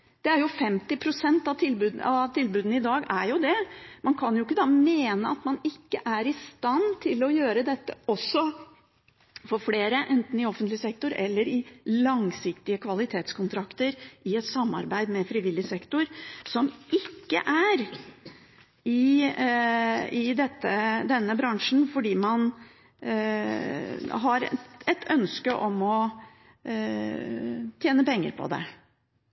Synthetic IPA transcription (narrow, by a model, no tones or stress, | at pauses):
d̪̥ɛæɾjʊfɛmt̪ɪpʰɾʊsɛnt̪ɑt̪ʰɪlbʉd̪ɑt̪ʰɪlbʉːd̪nəɪd̪ɑːɡæɾjʊd̪ɛmɑnkʰɑnjʊɪkːəd̪ɑːmeːnəɑt̪mɑnɪkːəʔæɾɪst̪ɑnt̪ʰɪlɔjøːɾəd̪ɛt̪ːə̰ɔsːɔ | fɔɾfleːɾəʔɛnt̪n̩ɪɔfənt̪lɪsɛk̚t̪ʊɾɛ̰lːəɾɪlɑŋsɪkt̪ɪəkʰʋɑlɪt̪ʰeːt̪skʊnt̪ʰɾɑkt̪əɾɪɛt̪sɑmːɑ̰ɾbæɪd̪mɛfɾɪʋɪlːɪsɛkt̪ʊɾsɔmɪkːə̰ʔæɾ | ɪ | ɪd̪ɛt̪ːəd̪ɛnːəbɾɑŋʂn̩fɔɖiːmɑn | ɦɑɾɛt̪ʰœnskəʔɔmɔ | t̪ʰjeːnəpɛŋːə̰ɾpʰɔ̰d̪ɛ̰